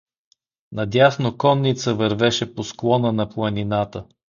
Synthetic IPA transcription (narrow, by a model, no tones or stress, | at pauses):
nɐd̪ʲjasnokɔnːit̪səvɐɾvɛʃɛposklˠɔnənɐplˠəninat̪ə